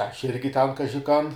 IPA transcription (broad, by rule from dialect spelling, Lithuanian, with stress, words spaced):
ˈɐʃ ˈɪrʲɡʲɪ ˈtʲɛn ˈkɑːʒʲɪ ˈkɐn